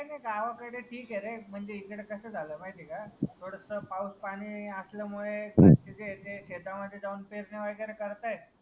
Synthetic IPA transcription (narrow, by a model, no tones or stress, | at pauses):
ajnakaʋakəɽeʈʰiːkeɾem̤əɳd͡zeikɽekəsəːd͡zʱaləːmajt̪ikat̪ʰoɽəsəpauspaɽ̃iːəsləmuɭea̰t͡ɕed͡zet̪eɕet̪aməd̪ʱːjed͡zaunpeɾneʋəjɡəɾekəɾt̪aj̪